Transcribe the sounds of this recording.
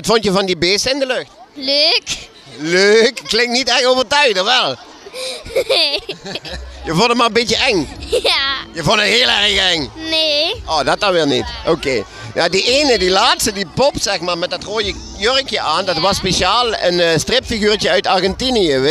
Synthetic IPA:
ɑtfontjəvɑndibeːstəɪndəløxtløːk | løːkːlɪŋktnitɛxtoːvərtœɥɣdəʋɛlˠ | jəvonˠdəmaːrəbɪtjəʔɛŋajəvonˠdənɦeːəlˠɛrəɣəɛŋneʔoːdɑt̚dɑnʋɪːlnitʔokeː | jadiʔeːnədilaːtstədipɔpsɛxmaːɹmɛt̚dɑtroːjə | jørəkjəʔaːndɑtʋɑspesaːlˠə̰nstrɪpfiɣyːrtəœɥtarɣɛntiniəʋ

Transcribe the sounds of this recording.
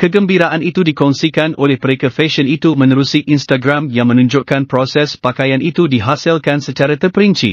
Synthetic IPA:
kəɡəmbiɾaʔanit̪udikɔŋsikanʔolɛhməɾekafɛʃənit̪umə̃nəɾusiʔinst̪aɡɾãmjaŋmə̃nũɲd͡ʒʊʔkanpɾosɛspakajanʔit̪udiɦasɪlkansət͡ʃaɾat̪ərpəɾiɲt͡ʃḭ

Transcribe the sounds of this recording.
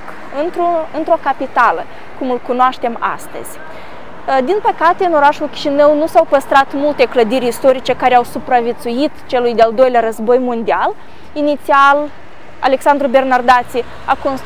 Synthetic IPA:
ɨnt̪ɾoɨnt̪ɾo̞kapit̪alə | kumɨlkunoaʃt̪e̞ma̰st̪ə̰z̥ʲ | d̪inpəkat̪eɨno̞ɾaʃulkʲi̥ʃinəwnusawpəst̪ɾat̪mult̪e̞kləd̪iɾʲist̪o̞ɾit͡ʃe̞kaɾeawsupɾavjet̪sujit̪t͡ʃe̞lujd̪eald̪o̞jleaɾəzbo̞jmo̞nd̪ial | init̪sial | a̰le̞ksand̪ɾubernard̪at̪si | akon

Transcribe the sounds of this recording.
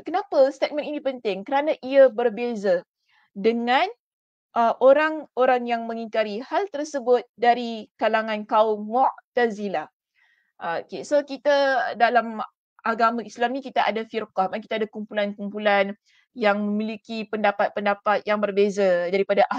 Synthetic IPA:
kənapast̪et̪̚məninipənt̪ɪŋkəɾanãʔiabərbeza | dəŋãn | ʔəʔoɾaŋoɾaŋjaŋmə̃ŋiŋkaɾihalt̪ərsəbʊt̪̚daɾikalaŋãnkaʊmːɔʔt̪azila | ʔkesokit̪adalam | ʔaɡamãislamnikit̪aʔadafirqahmanki̥t̪adakumpulankumpulan | jaŋməmĩlikipəndapat̪̚pəndapat̪̚jaŋbərbezadaɾipadaʔa

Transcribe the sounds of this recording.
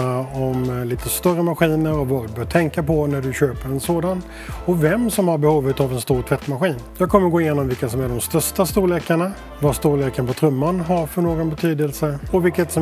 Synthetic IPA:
ɔmliːt̪ʰəst̪œrːəmaɧiːnəɾɔvad̪ɵbœːʈ̪ʰɛŋkapʰɔnæɖɵɕøːpəɾɛnsoːd̪an | ɔvɛmsɔmhaɾbɛhuːvət̪avɛnst̪uːɾʈ̪ʰv̥ɛt̪ːmaɧiːnjɑːɡkʰɔmːəɾɡoːɪjeːnɔmvɪlkːasɔmæɖɔmst̪œʂʈast̪uːleːkaɳa | vast̪uːleːkanpʰɔt̪ʰɾɵmːanɦaɾfœɳoːɡɔnbɛt̪ʰyːd̪əlsəɔvɪlkːət̪sɔ

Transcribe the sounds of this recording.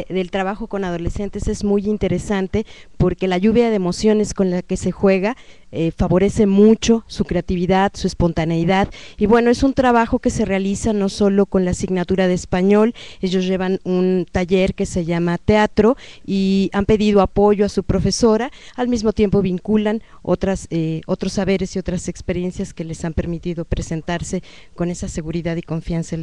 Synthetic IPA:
ðe̞lt̪ɾaβaxo̞ko̞nað̞o̞le̞se̞nt̪e̞se̞zmujint̪e̞ɾe̞sant̪e̞po̞ɾke̞laʝuβjaðeːmo̞sjo̞ne̞sko̞nlake̞se̞xwe̞ɣa | efaβo̞ɾe̞se̞mut͡ʃo̞sukɾe̞at̪iβiðaðsue̞spo̞nt̪aneiðaðiβwe̞no̞e̞sunt̪ɾaβ̞axo̞ke̞se̞realisano̞so̞lo̞ko̞nlasiɣnat̪uɾaðe̞ːspaɲo̞le̞ʝo̞zʝe̞βanunt̪aʝe̞ɾke̞se̞ʝamat̪eat̪ɾo̞iampe̞ðiðo̞apo̞ʝo̞asupɾo̞fe̞so̞ɾaːlmizmo̞t̪je̞mpo̞βiŋkulan | o̞̰t̪ɾaseo̞t̪ɾo̞sːaβe̞ɾe̞sio̞t̪ɾase̞kspe̞ɾje̞nsjaske̞le̞sampe̞ɾmit̪iðo̞pɾe̞se̞nt̪aɾse̞ | ko̞ne̞sase̞ɣuɾiðaðiko̞ɱfjansae

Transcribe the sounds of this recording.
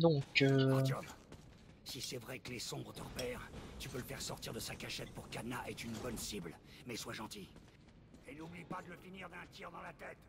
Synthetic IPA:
d̪ɔ̃køjɔm | sisɛvʁɛkəlesɔ̃bʁət̪əʁpɛːʁt̪ypøləfɛʁsɔʁt̪iʁd̪əsakaʃɛt̪̚puʁkanaʔɛt̪ynbɔnsiblmɛswaʒɑ̃t̪i | einublipad̪ələfiniʁd̪ɛ̃t̪jiʁd̪ɑ̃lat̪ɛt̪

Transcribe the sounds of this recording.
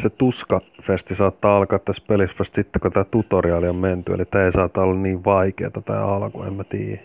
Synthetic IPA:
set̪uskɑfest̪isɑːt̪ːɑːɑlkɑːt̪t̪ːæspelisfæst̪sit̪ːekot̪æːt̪ut̪oriɑːliomment̪yḛlit̪æːeisɑːt̪ːɑolːɑnniːʋʋɑikḛːt̪ɑt̪æ̰ːɑlko̰ḛmmæt̪ḭːjæ

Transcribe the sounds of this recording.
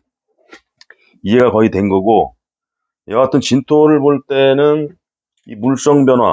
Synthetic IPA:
id͡ʑe̞ɡakʌitwe̞nɡʌɡo | jʌɡatʰɯnt͡ɕintʰoɾɯɭboɭt͈e̞nɯn | imuɭs͈ʌŋbjʌnɦwa̰

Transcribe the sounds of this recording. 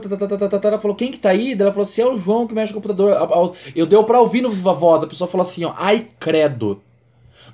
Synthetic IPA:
t̪at̪at̪at̪at̪at̪at̪aɛlɐfalokẽj̃kɪ̥t̪aid̪ɛlɐfaloɐsĩɛʊʒuɐ̃w̃kɪmɛʃɪkõput̪ad̪oɾaaewd̪ewpɾɐovinʊvɐvɔzɐpesoɐfaloasĩɲɔʔajkɾɛd̪ʊ̰

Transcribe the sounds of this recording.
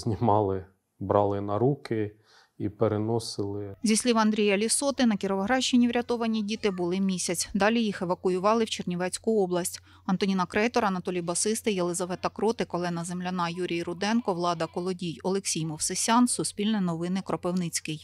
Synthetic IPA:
zʲnʲimɑlˠɪ | bɾɑlˠɪnɐɾukɪ | ipeɾenɔsɪlˠɪzʲisʲlʲiʋɐnd̪ɾʲijɐlʲisɔt̪ɪnɐkʲiɾɔʋɐɦɾɑʃt͡ʃːɪnʲiwɾʲɐt̪ɔʋɐnʲːidʲit̪ɪbʊlˠɪmʲisʲɐt͡sʲd̪ɑlʲijixeʋɐkʊjʊʋɑlˠɪwt͡ʃernʲiʋɛt͡sʲkʊɔblˠɐsʲtʲ | ɐnt̪ɔnʲinɐkɾɛt̪ɔɾɐnɐt̪ɔlʲijbɐsɪst̪ɪjelˠɪzɐʋɛt̪ɐkɾɔt̪ɪkɔlˠɛnɐzemlʲɐnɑjuɾʲijiɾʊd̪ɛnkɔʋlˠɑd̪ɐkɔlˠɔdʲijɔlˠeksʲijmɔwsɪsʲɑnsʊsʲpʲilʲnɛjnɔʋɪnɪkɾɔpewnɪt͡sʲkɪj

